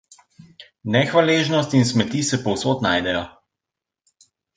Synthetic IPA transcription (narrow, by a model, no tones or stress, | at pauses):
nɛxʋaleʒnɔst̪insmɛt̪iːsɛpɔwsoːt̪najd̪ɛjɔ